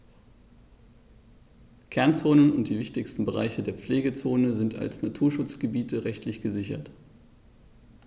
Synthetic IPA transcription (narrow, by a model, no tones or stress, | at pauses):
kʰɛɐnt͡soːnənʊnt̚d̥iːvɪçtɪçstn̩bəʁa̰ɪçədeːɐp͡fleːɡət͡soːnəzɪnta̰lsnatʰuːɐʃʊt͡sɡ̥əbiːtəʁɛçtʰlɪçɡ̥əzɪçɐ̰t